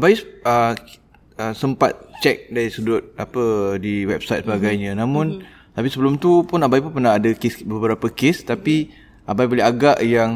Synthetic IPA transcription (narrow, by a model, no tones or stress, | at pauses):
abajsə | əsəmpa̰t̪̚t͡ʃɛk̚daɾisudʊt̪̚apədiwɛp̚sajt̪̚səbaɡajɲə̃nãmʊ̃n | t̪apisəbəlʊmt̪upʊnabajp̬ʊnpərnaɦadəkɪsbəbəɾapəkest̪api | ʔabajbolɛɦaɡaʔjaŋ